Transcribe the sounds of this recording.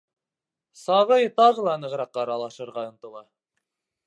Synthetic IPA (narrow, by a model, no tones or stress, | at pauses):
sɑʁɤjt̪ɑʁɤ̆lˠɑnɤ̆ʁɾɑqːɑɾɑlˠɑʃɤ̆ɾʁɑŏnt̪ɤ̆lˠɑ